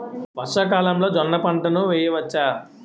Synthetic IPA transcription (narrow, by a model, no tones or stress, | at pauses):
ʋɐʂɐkaːlɐmlo̞ːd͡ʒɔnːɐpɐɳʈɐnuʋɛːjɐʋɐt͡ʃːaː